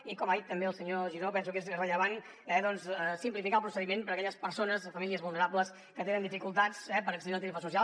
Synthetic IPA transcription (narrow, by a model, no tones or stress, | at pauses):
ikɔmaðit̪ːəmbeəlˠsəɲoʒiɾopɛnsukezrəʎəβ̞an | ɛðɔnssimplifikalˠpɾusəðimenpəɾəkɛʎəspəɾsonəzðəfəmiliəzβulˠnəɾapləs | kət̪enənd̪ifikulˠt̪at͡sɛpəɾəksəðilˠt̪ɾefəsusial